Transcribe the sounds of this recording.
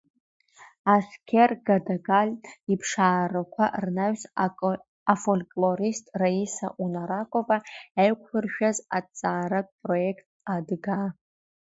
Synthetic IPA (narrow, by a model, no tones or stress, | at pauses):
askʲʰerɡadaɡalʲipʰʂaːrakʷʰa̰rnaɥs | afolkʼloɾistʼraisa̰ʔunaɾakʷʼovaajkʷʰʼʊrʃᶣaza̰t͡sʼaːɾapʼro̞ekʰtʼadɡa